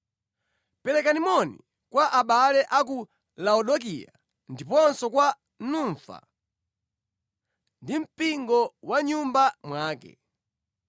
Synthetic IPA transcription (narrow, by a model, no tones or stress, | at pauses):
pɛlɛkanimɔnḭ | kwaʔaɓalɛʔaku | laɔɗɔk̬ḭja̰ | ndipɔnsɔkwa | nuɱfa̰ | ndim̩piŋɡɔwaɲumbamwaːkɛ̰